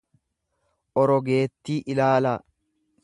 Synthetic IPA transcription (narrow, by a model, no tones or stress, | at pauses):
ʔɔɾɔɡe̞ːt̪ːiːʔɪlaːla